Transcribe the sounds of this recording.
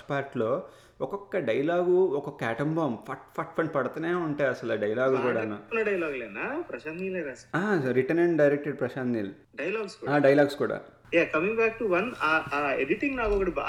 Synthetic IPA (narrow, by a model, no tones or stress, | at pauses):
paːɾʈloː | ɔkɔkːɐɖɐjlaːɡuɔkɔkːɐɛʈɐmbaːmpʰɐʈpʰɐʈpʰɐɳʈpɐɽɐt̪ɐneːuɳʈaːjɐsɐlaːɖɐjɐlaːɡkuːɽaːnaunɐɖɐjɐlaːɡleːnapɾɐʃaːnnileːnasɐaːɾiʈɐneɳʈ̚ɖɐjɾek̚ʈeɖ̚pɾɐʃaːnːiːlu | ɖɐjɐlaːɡskuaːɖɐjlaːɡskuːɽa̰ː | jaːkɐmiŋbaːk̚ʈuʋɐnaaːeɖiʈiŋɡnaːkɔkɐʈib